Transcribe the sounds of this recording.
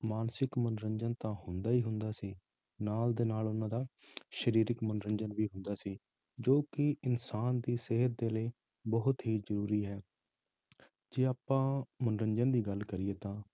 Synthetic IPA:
maːnsɪkmənɾə̃ɲd͡ʒənt̪ãːɦʊnd̪aːiːɦʊnd̪aːsiː | naːld̪eːnaːlʊnãːd̪aː | ʃəɾiːɾɪkmənɾəɲd͡ʒənʋiːɦʊ̃nd̪aːsiː | d͡ʒoːkɪɪnsaːnd̪iːseɦəɾd̪eːləiː | bəɦʊt̪ɦiːzəɾuːɾiːɦɛː | d͡ʒeːaːpːãːmənɾəɲd͡ʒənd̪iːɡəlkəɾɪeːt̪ãː

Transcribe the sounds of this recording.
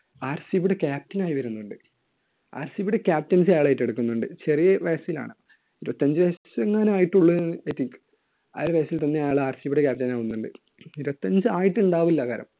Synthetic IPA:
aːrsɨiʋuɽekʲaːp̚tɐnaːjiʋɐɾunːuɳɖɨ | a̰ːɾsiʋuɽekʲaːp̚tɐns̬ajaːɭejiʈːe̞ɽukːunːuɳɖɨt͡ɕe̞rijɐʋɐjɐsila̰ːɳɨ | iɾubɐt̪ːɐɲd͡ʑɨʋɐjsɐseŋːaːneaːjiʈːuɭːɨejt̪ːik | ɐ̰lʋɐjɐsilt̪ɐnːejaːɭaːrsiʋuɽekʲaːp̚ʈɐnaːʋunːuɳɖɨ | iɾubɐt̪ːɐɲd͡ʑɨaːjiʈːɨuɳɖaːʋilːɐkaːɾɐ̰m

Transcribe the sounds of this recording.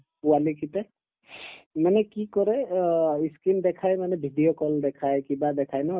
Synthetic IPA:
uwalikit̪ɛ | manɛkikɔɾɛiskind̪ɛkʰajmanɛbʱiɖijokɔld̪ɛkʰajkibad̪ɛkʰajna

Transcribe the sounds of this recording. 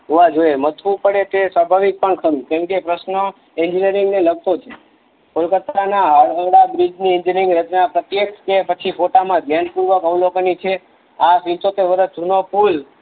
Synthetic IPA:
ɦuʋad͡ʒoemət̪ʰʋũpəɽet̪esʋabʱaʋik̚pəɳkʰəɾũkɛ̃mkepɾəsnə | end͡ʒinijəɾiŋɡneləɡ̚t̪ot͡ʃʰe | kolkət̪anaɦəəɽabɾid͡ʒniɛnd͡ʒinɾɪ̃ŋɡɾət͡ʃnapɾət̪jekʰkepət͡ʃʰifoʈamãd̪ʱjanpuɾʋəkəʋlokənit͡ʃʰe | apit̪ot̪eʋəɾət̪̚d̪ʱunopul

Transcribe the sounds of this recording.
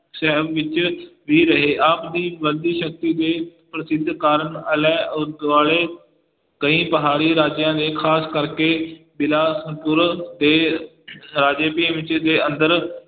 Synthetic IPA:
sɛɦəbʋɪt͡ʃʋiːɾəɦeːʔaːpd̪iːʋəd̪iːʃək̚t̪iːd̪eːpɾəsɪd̪ʱːkaːɾənəlɛ̃ːʊd̪ʋaːɭeː | kəĩːpəɦaːɾiːɾaːd͡ʒjãːd̪eːkʰaːskəɾke | bɪlaːsəpʊɾd̪eː | ɾaːd͡ʒeːpĩʋɪt͡ʃd̪eːə̃nd̪əɾ

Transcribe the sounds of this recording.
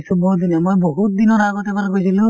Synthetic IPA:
subɔɦut̪̚d̪inɔmojboɦut̪̚d̪inɔɹaɡɔt̪ɛbalkojsilʊ̃

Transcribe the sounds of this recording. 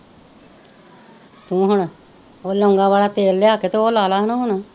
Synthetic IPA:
t̪ũːɦʊɳ | oːləŋɡaːʋaːlaːt̪eːlːeaːket̪eoːlaːlaːɦnoːɦʊɳ

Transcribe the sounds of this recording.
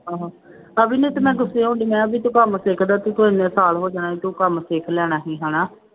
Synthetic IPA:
ɦãːɦaː | əbiːneːt̪ːmɛ̃ːɡʊseːɦõːɳɖiːmɛ̃ːəbiːt̪ũːkəmseːkʰd̪aːt̪ũːt̪ʰːɪ̃nẽːsaːlɦoːd͡ʒaːnaːɦiːt̪ũːkəmseːkʰlɛːɽ̃aːɦiːɦaːnaː

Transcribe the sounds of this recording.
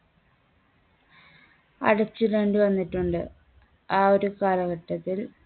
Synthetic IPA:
ɐ̰ɽɐt͡ɕːɨɾe̞ːɳɖɨʋɐnːiʈːuɳɖɨ̰ | aːoɾukaːlɐɣɐʈːɐt̪ːil

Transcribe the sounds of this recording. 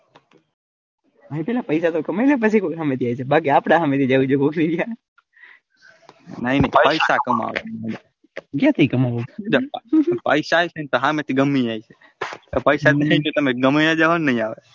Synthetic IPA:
əɦĩpelapəjsat̪okəmajlepət͡ʃʰikokɦamet̪ʰiajt͡ʃʰebak̬iapɽaɦəmet̪ʰid͡ʒaʋid͡ʒokokʰniɡja | nəɦĩnəiəpəjsakəma̰ʋḛad͡ʒa | kjãt̪ʰiikəmaʋod͡ʒpəjsaːjt͡ʃʰent̪oɦamet̪ʰiɡəmːid͡ʒajt͡ʃʰe | opəjsat̪ĩd͡ʒõt̪əmeɡəmijad͡ʒəʋanːəɦĩaʋe

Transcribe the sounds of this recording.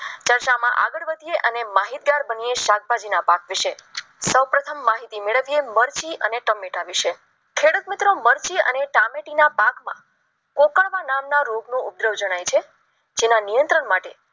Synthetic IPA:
t͡ʃəɾt͡ʃamã̰ʔa̰ɡəɭʋəd̪ʱijeʔənemaɦit̪̚ɡaɾbənieʃaɡ̚bʱad͡ʒinapakʋɪʃesəwpɾət̪ʰəmːaɦit̪imeɭəʋieməɾt͡ʃiʔəneʈəmːeʈaʋiʃe | kʰeɽut̪mɪt̪ɾoməɾt͡ʃiə̰neʈameʈinapakmã̰ | kokaɭʋanamnaɾoɡnũʊp̪̚ɾəʋd͡ʒəɽ̃ajt͡ʃʰe | d͡ʒenanijənt̪ɾəɳmaʈe

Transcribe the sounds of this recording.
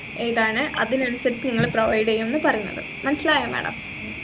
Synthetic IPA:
eːjðaːɳɨʔɐ̰ðinɐnusɐɾit͡ɕːniŋːɐɭproʋɐjɖejumenːɨpɐrɐjunːɐ̰ðɨ̰mɐnɐsilaːjɾɐmʋḛːɳɐ̰m

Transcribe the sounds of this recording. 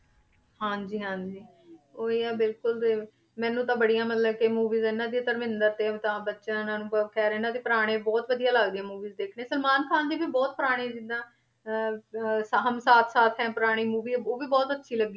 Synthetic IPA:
hãːd͡ʒiːɦãːd͡ʒiː | oːiːaːbɪlkʊlt̪eː | mɛ̃ːnũːt̪̬ãːbəɽijãːmət̪ləbkemuːʋiːzɪnãːd̪iːt̪əɾmɪ̃nd̪əɾt̪eːt̪ãːbətːʃãːnãːnũːkʰɛːɾɪnãːd̪eːpəɾaːɽ̃eːbɔːt̪ʋəd̪ijãːlaɡd̪iãːmuːʋiːzd̪eːkʰneːsəlmaːnkʰaːnd͡ʒiːbiːbɔːt̪̚pʊɾaːɽ̃ẽːd͡ʒɪd̪ãː | sɦəmsaːt̪ʰsaːt̪ʰɦɛ̃ːpʊɾaːɽ̃iːmuːʋiːoːʋiːbɔːt̪ətːʃʰiːləɡːiː

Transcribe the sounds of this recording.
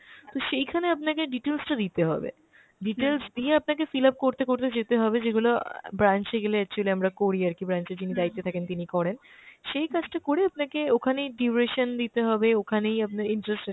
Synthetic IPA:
t̪oʃejkʰaneapnakeɖiʈelsʈad̪it̪eɦɔ̰bḛ | ɖiʈelsd̪ieap̚nak̬efilap̚koɾt̪ekoɾt̪ed͡ʑet̪eɦɔbed͡ʑeɡulobɾant͡ɕeɡeleɛk̚t͡ɕualiamɾakoɾiaɾkibɾant͡ɕed͡ʑinid̪ajt̪ːet̪ʰakent̪inikɔɽenʃejkad͡ʑʈakoɾeap̚nakeokʰanejɖiɾeʃənd̪it̪eɦɔbeokʰanejap̚naɾiɳʈɾesʈ

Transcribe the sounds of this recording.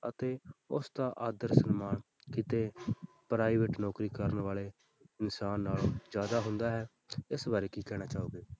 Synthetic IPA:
ət̪eːʊ̰sd̪ãːʔaːd̪əɾsənmaːn | kit̪eː | pɾaːɪʋeʈnɔːkɾiːkəɾənʋaːleː | ɪnsaːnːaːld͡ʒjaːd̪aːɦʊnd̪aːɦɛː | ɪsbaːɾeːkiːkɛːñaːt͡ʃaːoːɡeː

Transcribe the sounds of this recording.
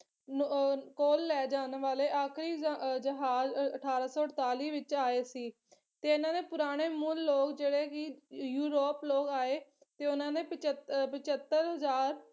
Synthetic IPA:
koːlːɛːd͡ʒaːnʋaːleːʔaːkʰɾiːd͡ʒəɦaːzəʈʰaːɾaːsɔːəɽt̪aːliːʋɪt͡ʃaːeːsiː | t̪eːɪnãːneːpʊɾaːɽ̃eːmʊlːoːkd͡ʒeːɽeːkɪjuːɾoːploːkaːeː | t̪eːʊnãːneːpɪt͡ʃpɪt͡ʃət̪ːəɾɦəzaːɾ

